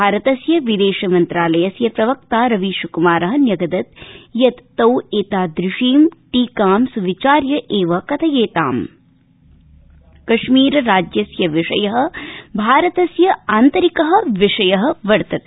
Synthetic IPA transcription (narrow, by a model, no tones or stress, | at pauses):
aːɾɐt̪ɐsjɐʋid̪eːʃɐmɐnt̪ɾaːlɐjɐsjɐpɾɐʋɐk̚t̪aːɾɐʋiʃukumaːɾɐɦɐ̆njɐɡɐd̪ɐt̪̚jɐt̪ːɐweːt̪aːd̪ɾɪʂiːmʈiːkaːmsuʋit͡ʃaːɾjɐʔeːʋɐkɐt̪ʰɐjeːt̪aːm | kɐʂmiːɾɐɾaːd͡ʒjɐsjɐʋiʂɐjɐɦɐ̆bʱaːɾɐt̪ɐsjɐaːnt̪ɐɾikɐɦɐ̆ʋiʂɐjɐɦɐ̆ʋɐɾt̪ɐt̪